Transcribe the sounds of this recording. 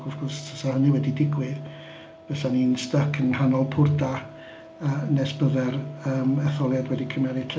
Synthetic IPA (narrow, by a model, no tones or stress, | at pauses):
ɡɔfɡɔrstʰəsahənɪwɛdidɪɡwɪð | b̥ɛsaninstəkʰənhanɔlˠpʰʊrda | ənɛsb̥əðɛrəːmɛθɔlˠjadwɛdikʰəmjaɾɪtʰɛ